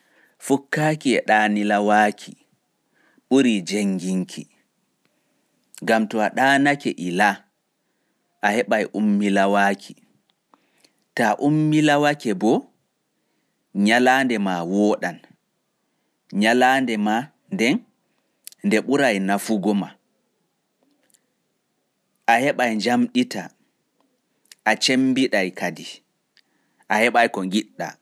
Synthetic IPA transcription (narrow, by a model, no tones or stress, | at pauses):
fukːakiɛɗaːnilawaːkʰi | ɓuɾid͡ʒeŋɡiŋkʰi | ŋɡamtɔaɗaːnakɛ̰ʔila | ʔahɛɓajʔumːilawaːkʰi | taʔumːilawakɛbɔ | ɲalaːndɛmawɔːɗan | ɲalaːndɛma | ndɛn | ndɛɓuɾajnafuɡɔma | ʔahɛɓajɲd͡ʒamɗita | ʔat͡ʃemːbiɗajkʰadi | ʔahɛɓajkɔŋɡiɗːa̰